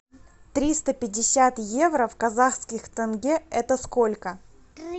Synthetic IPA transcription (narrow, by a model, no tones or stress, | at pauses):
t̪ɾʲist̪əpʲɪdʲːɪsʲat̪jevɾəfkɐzaxskʲɪxt̪ənɡʲeɛt̪əskolʲkə